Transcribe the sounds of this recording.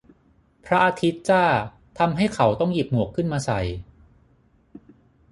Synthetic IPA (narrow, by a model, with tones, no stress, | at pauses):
pʰɾa˦˥ʔaː˧t̪ʰi˦˥t̪̚t͡ɕaː˥˩ | t̪ʰa˧mɦa˥˩jkʰa˩˦wt̪ɔ˥˩ŋji˨˩p̚mu˨˩kʰːɯ˥˩nmaː˧sa˨˩j